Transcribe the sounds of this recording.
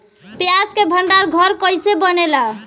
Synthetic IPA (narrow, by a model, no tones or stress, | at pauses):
pjaskebʱəɳɖaɾɡʱəɾkəjsebənela